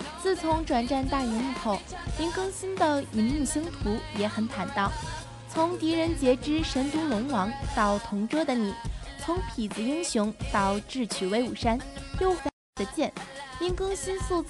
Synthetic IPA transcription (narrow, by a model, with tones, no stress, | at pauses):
t͡sɹ̩˥˩t͡sʰʊ˧˥ŋʈ͡ʂwa˨˩nʈ͡ʂa˥˧nt̪a˥˩i˧˥ni˥˧xo˥˩ʊi˥nkɤ˥ŋɕi˥nd̪ə˨i˧˥nmu˥˩ɕi˥ŋt̪ʰu˧˥jɛ˧˩xə˧˥nt̪ʰa˨˩nt̪ɑ˥˩ʊ | t͡sʰʊ˧˥ŋt̪i˧˥ɻə˧˥nt͡ɕjɛ˧˥ʈ͡ʂɻ̩˥ʂə˧˥nt̪u˧˥ŋlʊ˧˥ŋwɑ˧˥ŋt̪ɑ˥˩ʊt̪ʰʊ˧˥ŋʈ͡ʂɤ˥d̪ə˨ni˨˩˦t͡sʰʊ˧˥ŋpʰi˨˩d͡zɹ̩˧˩i˥ŋɕjʊ˧˥ŋt̪ɑ˨˩ʊʈ͡ʂɻ̩˥˩t͡ɕʰy˨˩we˧˥ɪu˨˩ʂa˥njo˥˩ʊfa˧˥˩d̪ə˦t͡ɕjɛ˥˩ni˥ŋkɤ˥ŋɕi˥nsu˥˧t͡s